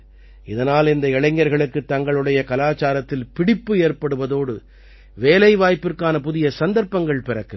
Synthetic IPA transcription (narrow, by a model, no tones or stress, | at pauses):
ɪðɐnaːlɪnd̪ɐɪɻɐɪŋːɐɾɣɐɭɯkːɯt̪ːɐŋɡɐɭɯɽɐjɐkɐlaːt͡ʃaːɾɐt̪ːɪlpɪɽɪpːɯeːrpɐɽɯʋɐðoːɽɯ | ʋeːlɐɪʋaːjpːɪrkaːnɐpʊðɪjɐsɐnd̪ɐɾpːɐŋɡɐɭpɪɾɐkːɯ